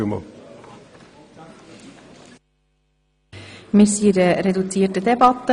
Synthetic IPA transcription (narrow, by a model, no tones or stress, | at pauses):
mə̰ | mɪsiːdeɾɛdut͡siːʈəd̪ɛbɑt̪ə